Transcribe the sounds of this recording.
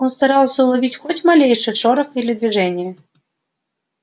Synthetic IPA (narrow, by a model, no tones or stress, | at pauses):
ɔnst̪aɾalˠsʲəulˠavʲit͡sʲxɔt͡sʲmalʲejʂɨʂɔɾɐxilʲɪd̪vʲiʐɛnʲɪjə